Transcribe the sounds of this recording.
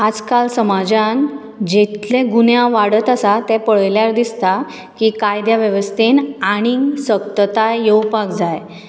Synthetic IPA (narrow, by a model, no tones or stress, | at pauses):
ad͡zkalsəmad͡ʑan | d͡ʑet̪lẽɡunjaʋaɽət̪asat̪ɛpəɭljaɾd̪ist̪a | kiːkajd̪jaʋjəʋəst̪enaɽ̃iŋɡsəkt̪ət̪ajjəwpakd͡zaj